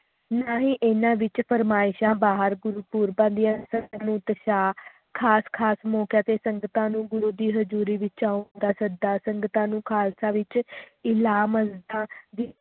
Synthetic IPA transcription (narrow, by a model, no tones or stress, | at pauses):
naːɦĩːʔeːnãːʋɪt͡ʃpʰəɾmaːɪʃãːbaːɦəɾɡʊɾuːpuːɾbãːd̪ijãːsəŋɡnũːt̪əʃaː | kʰaːskʰaːsmɔːkjaːt̪eːsəŋɡət̪ãːnũːɡʊɾuːd̪iːɦəd͡ʒuːɾiːʋɪt͡ʃaːʊnd̪aːsəd̪aːsəŋɡt̪ãːnũːkʰaːlsãːʋɪt͡ʃɪlaːməzd̪ãːd̪iː